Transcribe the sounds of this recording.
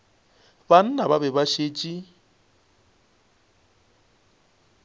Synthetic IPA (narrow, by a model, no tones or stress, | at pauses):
ban̩nababɛbaʃeːt͡ʃʼi